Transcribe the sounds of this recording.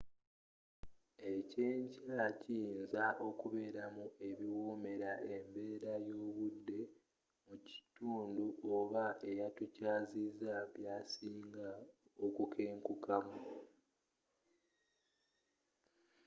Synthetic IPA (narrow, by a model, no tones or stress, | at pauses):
e̞ceːɲcaciːnzaʔo̞kuβe̞ːɾamue̞βiwoːme̞ɾaʔe̞mbe̞ːɾajo̞ːβudːe̞ | muci̥tuːnduʔoβae̞jatucaːzizaβjaːsiːŋɡao̞kukʰe̞ːŋkukamu